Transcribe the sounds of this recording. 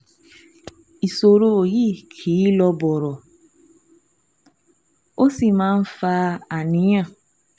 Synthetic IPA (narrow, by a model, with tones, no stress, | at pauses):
i˨so˨ɾo˧˨ji˦˨kʰi˨˦lɔ˧bɔ˨ɾɔ˨ | o˦si˦˨mãː˦n̩˦fa˧a˨nĩ˨˦j̃ã˦˨